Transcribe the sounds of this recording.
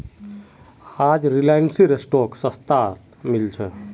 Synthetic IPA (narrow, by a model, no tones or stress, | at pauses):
ad͡ʒɾilajnsiɾesʈoksə̃st̪at̪ | milt͡ʃʰɛ